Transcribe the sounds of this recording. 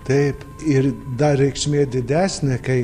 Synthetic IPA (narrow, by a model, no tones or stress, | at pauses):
t̪ɐɪp | ɪɾd̪ɐɾʲɛɪkʃʲmʲeːd̪ʲɪd̪ʲæːsʲnʲɪkɐɪ